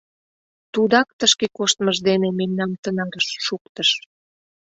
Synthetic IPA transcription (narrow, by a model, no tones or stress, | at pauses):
t̪ud̪ɑk̚t̪əʃkekoʃt̪məʒd̪enememnɑmt̪ənɑɡəʃːukt̪əʃ